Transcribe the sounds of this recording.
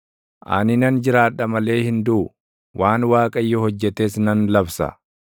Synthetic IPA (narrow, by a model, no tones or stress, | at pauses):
ʔɐ̰nɪnɐnd͡ʒɪɾaːᶑːɐmɐle̞ːhɪnd̪uʊ | wʔaːnwaːkʼɐjːɔhɔd͡ʒːɛt̪esnɐnlɐbsɐ̰